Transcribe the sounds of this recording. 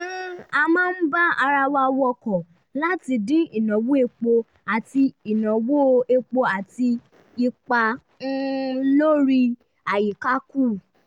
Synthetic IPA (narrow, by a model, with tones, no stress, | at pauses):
n̩˦a˧mãː˦n̩˦ba˦a˧ɾa˧wa˧wɔ˧kɔ˨ | la˦ti˧dĩ˦i˨nɔ̃˨wo˦e˧k͡po˧ | a˨ti˧i˨nɔ̃˨wo˦˧e˧k͡po˧a˨ti˧ | i˧k͡pa˧ | n̩˦lo˦ɾi˧ | a˨ji˨ka˦ku˦˨